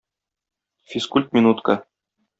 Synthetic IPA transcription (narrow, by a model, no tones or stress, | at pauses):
fʲiskulʲt̪mʲinut̪kə